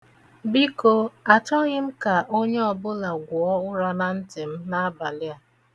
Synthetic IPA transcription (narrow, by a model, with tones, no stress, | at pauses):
bi˦ko˦a˨t͡ʃɔ˦ɣɪ˦m̩˦ka˨ʔo˦ɲe˦ɔ˨bʊ˦la˨ɡʷʊ˨ɔ˦ʊ˦ɾa˦na˨n̩˦tɪ˨m̩˦na˦ba˨lɪ˦a˨